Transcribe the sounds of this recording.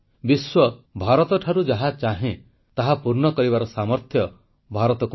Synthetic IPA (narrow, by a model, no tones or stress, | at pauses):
biswɔbʱaɾɔt̪ɔʈʰaɾud͡ʒaɦat͡ʃaɦẽ | t̪aɦapuɾnɔkɔɾibaɾɔsamɔɾt̪ʰjɔ | bʱaɾɔt̪ɔku